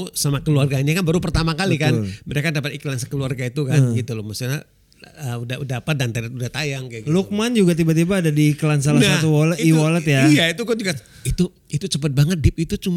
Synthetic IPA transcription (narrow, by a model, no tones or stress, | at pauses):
samakəluarɡaɲakanbaɾupərt̪amakalikanməɾekadapat̪iklansəkəluarɡait̪ukanɡit̪ulʊmasua | əudaudapat̪̚dant̪aɾat̪̚udaht̪ajaŋkaɡluk̚mand͡ʒuɡat̪̬ibat̪̬ibaːdadiːkəlansalahsat̪uwɔləiwɔlət̪jajait̪ukad͡ʒuɡa | it̪u | it̪ut͡ʃəpət̪̚baŋət̪̚dɪp̚it̪ut͡ʃum